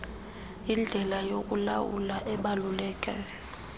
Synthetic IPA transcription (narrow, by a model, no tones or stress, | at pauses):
ind͡ɮʱɛlajok̬ʼula̰wṵlaʔɛɓalulɛːkʼɛ